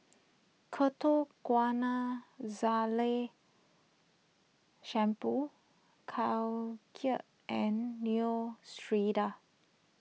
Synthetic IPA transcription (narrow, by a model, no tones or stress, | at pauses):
kʰətokwanazale | ʃɛ̃mpu | kʰawkʰiəʔ | ɛ̃nːiostɹida